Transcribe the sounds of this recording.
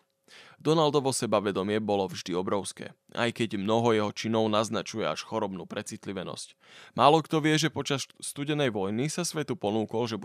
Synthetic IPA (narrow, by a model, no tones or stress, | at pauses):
d̪ɔnald̪ɔʋɔsɛbaʋɛd̪ɔmɪɛbɔlɔvʒd̪iɔbɾɔʊskɛ̰ː | ʔa̰jkɛɟmnɔɦɔjɛɦɔt͡ʃinɔʊnaznat͡ʃujɛa̰ʃxɔɾɔbnuːpɾɛt͡sit̪liʋɛnɔ̰sc | mʔaːlɔkt̪ɔʋɪɛʒɛpɔt͡ʃast̪uɟɛnɛjʋɔjnisasʋɛt̪upɔnuːkɔlʒɛb